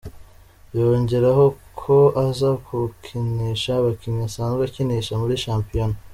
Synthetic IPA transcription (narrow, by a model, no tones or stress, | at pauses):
jo̞ːɲɟe̞ɾaho̞ | kʰo̞azakʰukʰiniʃaβakiɲasaːnzɡaciniʃamuɾiʃaːmpijono